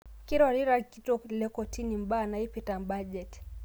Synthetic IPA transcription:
kiɾwaɾiɾakitɔklɛkɔtʰinimbanaipitambad͡ʒɛt

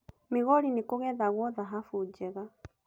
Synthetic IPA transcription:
meɣɔɾinekoɣɛðaɣwɔðaɦafud͡ʒɛɣa

